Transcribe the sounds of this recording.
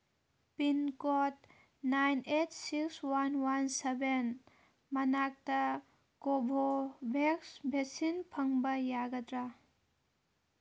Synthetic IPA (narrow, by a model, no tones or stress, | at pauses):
pinkɔt | najnetʰsikswanwanseben | mɐnak̚tɐ | kobʱobʱeksbʱesinpʰəŋbɐjaɡɐdɾa